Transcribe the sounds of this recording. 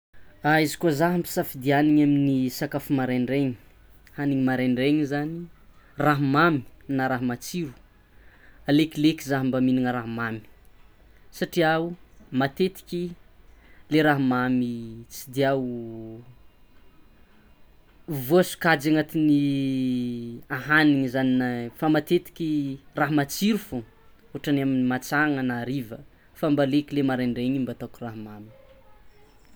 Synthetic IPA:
aizikuozaɦampi̥safid̪ianiɲaminisakafumaɾaɳɖ͡ʐeɲi̥ | haniɲimaɾeɳɖ͡ʐeɲizani | raɦmami̥naɾaɦmat͡siɾu̥ | alekilekizaɦmbaminiŋəɾaɦmami̥ | saʈ͡ʂiaumat̪et̪i̥kʲi | leɾaɦmamit͡sid̪iau | vuasu̥kad͡ʒaŋat̪ini | aɦaniŋizaninafamat̪et̪i̥kʲiraɦmat͡siɾufu | uaʈ͡ʂanaminimat͡saŋanaːɾivə | fambalekilemaɾaɳɖ͡ʐeɲimbat̪akuraɦmami̥

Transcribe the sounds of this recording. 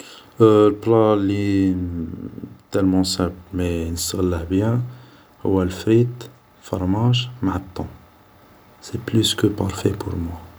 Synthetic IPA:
lbɾɑlːi | t̪ɛlmɑ̃sæbmenəst̪əɣləʕbjæ | hʊ̰wːælfɾit̪ | fɑ̰ɾˤmaʒmaʕət̪ˤːɔ̃ | seplyskəpaɾˤfepʊ̰ɾmwa

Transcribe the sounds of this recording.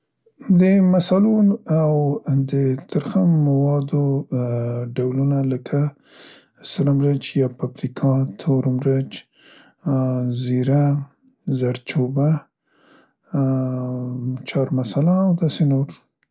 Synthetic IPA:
d̪əmasalunawd̪ət̪aɾxammawɑd̪o | ɖawlunaləkʰa | səɾamɾəd͡ʒjɑpapɾikʰɑt̪ʰoɾmɾəd͡ʒ | ziɾa | zaɾt͡ʃoba | t͡ʃɑɾmasalaːwd̪ɑsenoɾ

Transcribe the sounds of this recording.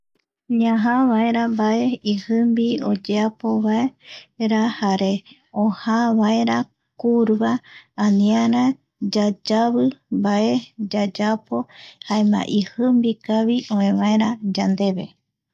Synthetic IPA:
ɲãɦaβaeɾambaeihɨmbiod͡ʒeapo̞βaeɾahaɾe̞ | õhaβaeɾa | kuɾβaːnĩaɾa | d͡ʒad͡ʒaβɨmbae̞d͡ʒad͡ʒapo̞haemã̰ʔihɨmbikaβiʔõẽβaeɾad͡ʒand̪e̞βḛ

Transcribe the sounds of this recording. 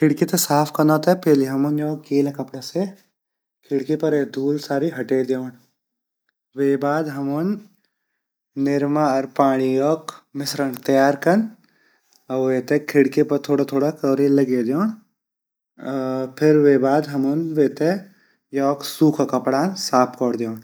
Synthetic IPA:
kʰɪɽket̪esaːpʰkɐnaːt̪epeːliɦɐmunjɔːkɡeːlekɐpɽase | kʰɪɽkepɐɾed̪ʱuːlsaːɾiɦɐʈeːd̪jɔːɳ | weːbaːd̪ɦɐmun | ɪɾmaɐɾpaːɽ̃ijɔːkmɪsɾəɳt̪ɐjaːɾkɐn | ɐʋeːt̪ekʰɪɽkepɐɾt̪ʰoːɽat̪ʰoːɽakɐːɾelɐɡed̪joːɳ | pʰɪɾʋeːbaːd̪ɦɐmunʋeːt̪e | jɔːksuːkʰakɐpɽaːnsaːpʰkɔːɽd̪joːɳ

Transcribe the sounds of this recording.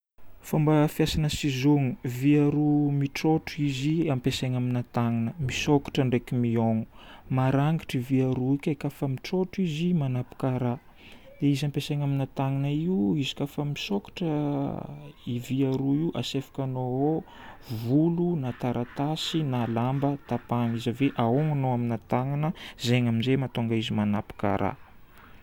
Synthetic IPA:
fambafjasanəsizoŋuviaɾumiʈ͡ʂoʈ͡ʂuiziampesaŋaminat̪aŋinəmisokḁʈ͡ʂəɳɖ͡ʐekimioŋu̥maɾaŋɡiʈ͡ʂiviaɾuikʲakafəmiʈ͡ʂoʈ͡ʂizimanapu̥kaɾa | d̪eizampesajɲaminat̪aŋinaiuizi̥kafəmisokḁʈ͡ʂə | iviaɾuiuʔa̰sefḁkʲanoo | vulunat̪aɾʔat̪asinalambət̪apaŋizaveʔaoŋanoaminat̪aŋanəzeŋaminzemat̪oŋɡaizimanapi̥ka̰ɾa̰

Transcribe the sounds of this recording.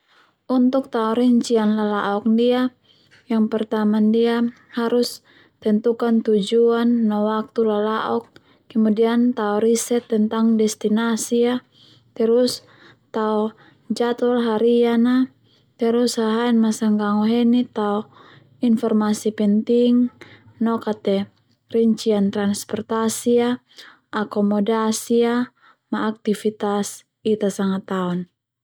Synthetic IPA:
unt̪uk̚t̪aɔɾɛɲt͡ʃianlalaʔɔk̚dia | jaŋpɛrt̪amandia | haɾus | t̪ɛnt̪ukant̪ud͡ʒuanːawak̚t̪ulalaʔɔkː | ɛmudiant̪aɔɾisɛt̪ːɛnt̪aŋdɛst̪inasia | t̪ɛɾus | t̪aɔ | d͡ʒat̪ɔlɦaɾiana | t̪ɛɾushaɦaɛnmasaŋɡaŋɔɦɛnit̪aɔ | infɔrmasipɛnt̪iŋ | nɔkat̪ɛ | riɲt͡ʃiant̪ɾanspɔrt̪asia | ʔakɔmɔdasia | maːk̚t̪ifit̪as | it̪asaŋat̪aɔn

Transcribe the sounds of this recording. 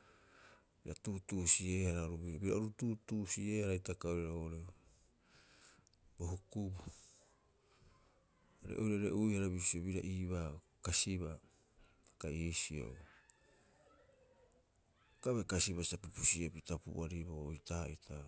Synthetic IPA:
biɾatuːtusie̞haɾaɾuβiobiɾa̰oɾututusie̞haɾaitakaoɾɾaoɾe | boɦukubu | aɾḛʔojɾaɾeʔujhaɾaβisioβiɾaʔiβa | kasiβa | akaisio̰ | kaβekasiβasitapupusiopitapṵʔaɾibaoitaitʰa

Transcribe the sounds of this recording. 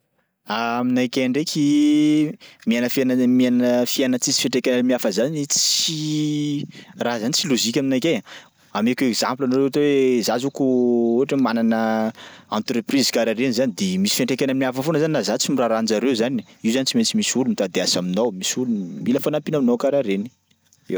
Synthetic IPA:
aminajkʲeɳɖ͡ʐekʰʲi | mianəfanəmianəfianət͡sizi̥feɳʈ͡ʂekʲanamiafəzanit͡si | razanit͡siluzikʲaminajkʲea | amekʲekz̥ãmplanaɾewaʈ͡ʂewezazukuoʈ͡ʂemananə | ãnt̪ɾeprizkaɾaɾenizanid̪emisi̥feɳʈ͡ʂekʲanamiafəfonəzaninazat͡simiraɾand͡ʒaɾewzan | iwzanit͡simet͡simisulumit̪ad̪easaminowmisulunmiləfanampinaminokaɾaɾeni̥ | ew

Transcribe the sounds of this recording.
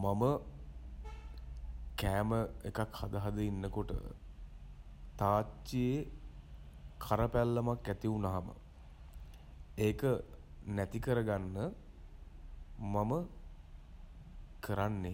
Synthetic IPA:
mamə | kæːməekakhad̪əɦad̪əinːəkoʈə̰ | t̪aːt͡ʃːie | kʰaɾəpælːəmakːæt̪iunaɦamə̰ | eːkə | næt̪ikəɾəɡanːə | mamə | kəɾanːe

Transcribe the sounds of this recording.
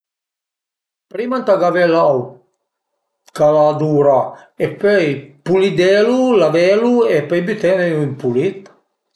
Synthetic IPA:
pɾimant̪aɡavɛlaw | kalad̪uːɾaepøjpulid̪ɛlulavɛluepɛjbit̪ɛnejuimpulit̪

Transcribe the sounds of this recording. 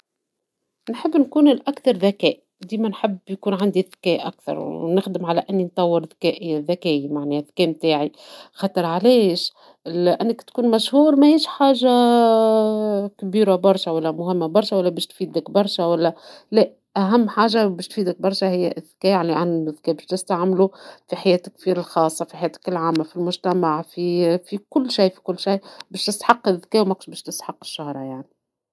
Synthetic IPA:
nħəbːnkuːnɪlʔækθɑɾˤðækɛːʔid̪iːmænħɪbːjkuːnʕand̪iðkɛːʔʔæ̰kθɑ̰ɾˤnɪxd̪əmʕalæʔɪnːint̪ˤɑwːɪɾðkɛːʔiðːækɛːʔimaʕniːðkɛːmt̪aːʕixɑt̪ˤɨɾˤʕaleːʃ | ʔɪnːɪkt̪kuːnmæʃhuːɾˤmæhiːʃħaːʒa | kbiːɾabɑɾˤʃawælːæmʊhɪmːabɑɾˤʃæwælːæbɛːʃt̪fiːd̪lɪkbɑɾˤʃæwælːælæ | ʔæɦæmːħaːʒabɛːʃt̪fiːd̪ɪk̚bɑɾˤʃæhɪjːæʔɪðkɛːjaʕniʕanɪðkɛːbɛːʃt̪ɪst̪aʕmlufiħajɛːt̪ɪkːfiɾɪlxɑːsˤːɑfiħajæːt̪ɪ̥kɪlʕaːmːafilmʊʒt̪æmaʕfifikʊlːʃiːfi̥kʊlːʃajbæːʃt̪ɪst̪ħɑqːɪðːkɛːʔwmækʃbɛːʃt̪ɪst̪ħɑqːɪ̥ʃːahɾˤɑjaʕni

